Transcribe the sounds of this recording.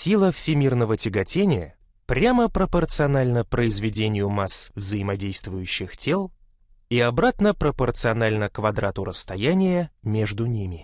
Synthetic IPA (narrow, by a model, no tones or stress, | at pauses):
sʲilˠəfsʲɪmʲirnəvətʲɪɡɐtʲenʲɪjə̰ | pɾʲaməpɾəpərt̪sɨɐnalʲnəpɾəɪzvʲɪdʲenʲɪjʊmasvzəjɪmɐdʲejst̪vʊjʉɕːɪxtʲelˠ | iɐbɾat̪nəpɾəpərt̪sɨɐnalʲnəkvɐd̪ɾat̪ʊɾəst̪ɐjænʲɪjəmʲeʐd̪ʊnʲimʲɪ